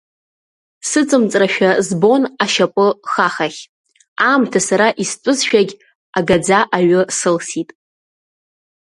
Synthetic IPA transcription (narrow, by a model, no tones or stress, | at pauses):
sɨt͡sʼɨmt͡sʼraʃᶣazbo̞naʃapʷʼɨχaχaχʲ | amtʰasaɾaʔistʷʼʊzʃᶣaɡʲ | aɡad͡zaʔaɥʊsɨlsitʼ